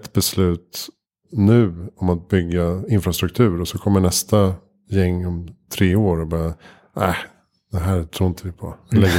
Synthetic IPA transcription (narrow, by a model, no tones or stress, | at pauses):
t̪ːb̥ɛslʉ̟ːt̪ | nʉ̟ːɔmat̪̚bʏɡːaɪnfɾast̪ɾɵk̚t̪ʰʉ̟ːɾɔsɔkʰɔmːəɳɛst̪a | jɛŋːɔmt̪ʰɾeːoːɾɔbɑːɾa | æɪ | d̪̥ɛɦæːɾt̪ʰɾuːɪnt̪ʰəvɪpʰɔalɛɡːə